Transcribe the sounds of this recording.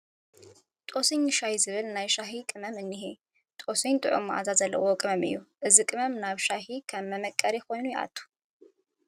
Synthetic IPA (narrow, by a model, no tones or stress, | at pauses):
t̪ʼo̞sɨɲʃahizɨβɨlnajʃaɦikʼɨmɐmɨnːɨɦi | t̪ʼosiɲt̪ʼɨ̰ʕumʔa̰zazɐlːɐ̰wokʼɨmɐmɨ̰jːuʔɨzikʼɨmɐmnaβʃahikʰɐmːɐmɐkʼːɐɾjɛxo̞jnujɛʔa̰t̪ʰʼːu̥